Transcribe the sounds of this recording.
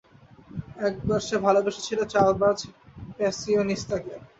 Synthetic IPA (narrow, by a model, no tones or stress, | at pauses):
ɛk̚baɾʃabʱalobeʃe̥t͡ɕʰilat͡ɕalbad͡ʑpɛsionist̪ake